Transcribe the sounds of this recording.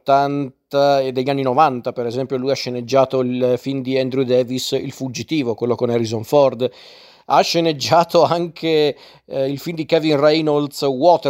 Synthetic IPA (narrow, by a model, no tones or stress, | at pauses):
t̪ːant̪ad̪eʎːanːinovant̪apeɾezɛmpjolujaʃːened͡ʒːaːt̪oilfind̪iɛnd̪ɾud̪ɛːvisḭlfud͡ʒit̪iːvokwelːokonɛɾizonfɔrd̪ | aʃːened͡ʒːaːt̪oaŋkʰe | ilfimd̪ikɛvinrɛjnold̪swɔt̪